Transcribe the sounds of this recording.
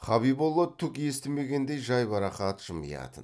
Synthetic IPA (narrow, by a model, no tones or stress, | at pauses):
χɑβibolˠːot̪ʰːʊkje̞st̪ɪme̞ɡʲe̞nd̪e̞jʒɑjbɑɾɑχɑt̪ʒ̥əmə̰jɑ̰t̪ən